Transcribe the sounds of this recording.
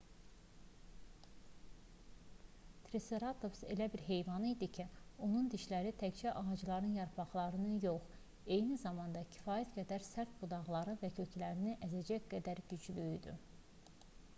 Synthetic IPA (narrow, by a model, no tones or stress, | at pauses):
t̪ʰɾiseɾɑt̪ʰo̞fse̞̰læbiɾɦe̞jvɑnɯid̪icʰio̞nund̪iʃlæɾit̪ʰækd͡ʒæʔɑʁɑd͡ʒɯlˠɑɾɯnjɑɾpʰɑχlˠɑɾɯnɯjoχ | e̞jnizɑmɑnd̪ɑcʰi̥fɑːjæt̪ɡæd̪æɾsæɾt̪bud̪ɑʁlˠɑɾɯvæcʰø̞cʰlæɾiniʔæzæd͡ʒæcɡæd̪æɾɟyd͡ʒlyjd̪y̰